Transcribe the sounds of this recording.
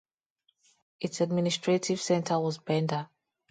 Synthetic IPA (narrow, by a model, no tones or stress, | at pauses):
ʔitsad̚ministɹ̥etʰiv̥sɛ̃ntʰəwɔzbɛ̃ndə